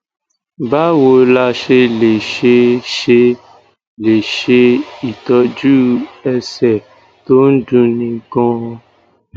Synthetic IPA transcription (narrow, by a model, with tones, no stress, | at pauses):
ba˦wo˧la˧ʃe˧le˨ʃe˧ʃe˧ | le˨ʃe˧i˨tɔ˧d͡ʒu˦ɛ˧sɛ˦˨ | to˦n̩˦dũ˧nĩ˧ɡɔ̃˦˧